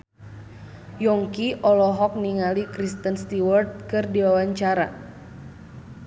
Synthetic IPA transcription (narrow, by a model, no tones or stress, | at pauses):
jɔŋkiʔɔlɔɦɔk̚niŋalikɾist̪ənst̪iwɔrt̪̚kɨrdiwawaɲt͡ʃaɾa̰